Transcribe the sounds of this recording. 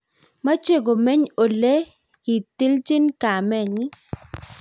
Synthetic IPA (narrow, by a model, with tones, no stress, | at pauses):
ma˦t͡ʃe˦˨ɡo˨mɛ˦ɲo˨le˦ | ki˨t̪ɪ˦lt͡ʃɪ˦nka˨mɛ˦˨ŋɪ˦